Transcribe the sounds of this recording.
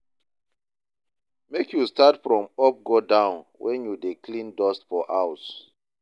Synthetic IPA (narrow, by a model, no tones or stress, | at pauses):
mekjustatfɹɔ̃mɔp̚ɡodãʊ̃nwʔɛ̃njudekʰlĩndɔstfɔʔaʊs